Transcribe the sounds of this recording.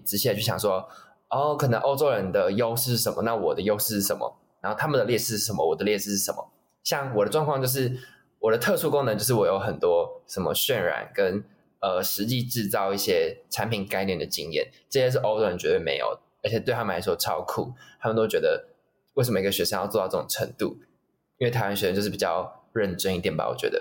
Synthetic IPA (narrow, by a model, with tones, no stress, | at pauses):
ʈ͡ʂɻ̩˧˥ɕi˨˩ə˧t͡ɕʰy˥˩ɕjɑ̰˨˩ʂ̬wɔ˦ | ɔ˥˩kʰɤ˨˩nə˧˦ŋʔo˥ʊʈ͡ʂo˥ʊɻə˧˦nd̪ə˨jo˥ʊʂɻ̩˥˧ʂɻ̩˥˩ʂə˧˦mə̰˦na˥˩wɔ˨˩d̪ə˦jo˥ʊʂ̩˥˧ʂ̩˥˩ʂə˧˦nmə̰˨˩ | na˨˧˦nxo˥˩ʊt̪ʰa˥mə˨nd̪ə˩ljɛ˥˧ʂɻ̩˥˧ʂ̩˥˩ʂə˧˩˦mə̰˦˧wɔ˨˩d̪ə˦ljɛ˥˧ʂ̩˥˧ʂɻ̩˥˩ʂə˧˦mə̰˨˦ | ɕjɑ˥˩ŋwɔ˨˩d̪ə˦ʈ͡ʂwɑ˥˧ŋkʰwɑ˥˧ŋt͡ɕjo˧ʊʂ̬ɻ̩˥˩ | wɔ˨˩d̪ə˦t̪ʰɤ˥˧ʂu˥˧ko˥ŋn˧˦t͡ɕo˥˧ʊʂ̬̩˥˩wɔ˨˩jo˧˥ʊxə˨˩nt̪wɔ˥ʂə˧˩nmə̰˧˦ɕɥɛ˥˨˩nɻa̰˧˥nkə˦n | ə˧ʂɻ̩˧˦t͡ɕi˥˧ʈ͡ʂɻ̩˥˧t͡sɑ˥˧ʊi˥˩ɕjɛ˥ʈ͡ʂʰa˧˦npʰi˨˩nka˥ɪnjɛ˥˩nd̪ə˩t͡ɕi˥ŋjɛ̰˥˨˩nʈ͡ʂə˥˧ɕjɛ˥ʂ̬ɻ̩˥˩ʔo˥ʊo˧˥ə˧˥nt͡ɕɥɛ˧˥t̪wmḛ˧˥ɪjo̰˨˩ʊ | ə˧˥t͡ɕʰɛ˨˩t̪we˥˩t̪ʰa˥m˨˩a˧˥ʂwɔ˥ʈ͡ʂʰɑ˥ʊkʰṵ˥˩t̪ʰa˥mə˨nt̪o˥ʊt͡ɕɥɛ˧˥d̪ə˧ | we˥˩sə˧˦mə˧i˧˥ɡə˩ɕɥɛ˧˥ʂə˧jɑ˥˧t͡swɔ˧tɑ˥˧ʊʈ͡ʂɤ˥˩ʈ͡ʂo˨˩ŋʈ͡ʂʰə˧˥ŋt̪u˥˩ | i˥nwe˩t̪ʰa˧˥˩nɕɥɛ˧˩ɻə˧t͡ɕo˥˧ɻ̩˥˩pi˨˩t͡ɕjɑ̰˥˧ʊɻə˥˧nʈ͡ʂə˥ŋi˥˧t̪jɛ˥˩npa̰˩˥wɔ̰˨˩t͡ɕɥɛ̰˧˥d̪ə̰˧˩